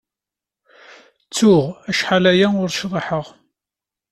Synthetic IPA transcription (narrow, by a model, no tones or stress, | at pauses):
t͡sːʊʁæʃħalæjæʊɾʃðˤeħəʁ